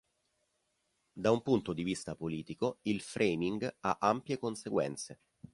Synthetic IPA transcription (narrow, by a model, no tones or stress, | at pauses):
d̪aumpunt̪od̪ivist̪apoliːt̪ikoilfɾʔejmiŋɡaʔampjekonseɡwɛ̰nt̪se